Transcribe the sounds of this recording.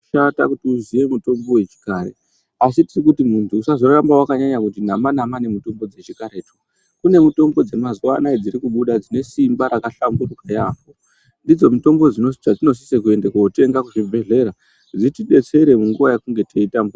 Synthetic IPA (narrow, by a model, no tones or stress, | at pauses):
ata̰kutiuzije̞muto̞mbo̞wet͡ʃi̥kaːɾḛ | asitirikutimuntʰuːsazo̞rambawakaɲaɲakut̬in̤amanamanemuto̞mbo̞d͡ze̞t͡ʃikaɾe̞tu̥ | kune̞muto̞mbo̞d͡zemazwa̰naid͡ziɾikuɓuɗad͡zine̞simbaɾakaɬambururajapo | ndid͡zo̞mito̞mbo̞d͡zinot͡ʃad͡zino̞s̬isekue̞ndekote̞ŋɡakuʐibʱe̞ɮe̞ɾa | d͡zitiɗe̞t͡se̞ɾe̞muŋɡuʋajakuŋɡe̞tʰeitamb